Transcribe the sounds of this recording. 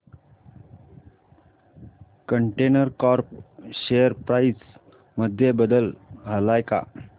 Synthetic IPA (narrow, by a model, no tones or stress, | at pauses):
kəɳʈenəɾkɔɾp̚ɕejəɾpɾais | məd̪ʱjebəd̪əlɦəlajka̰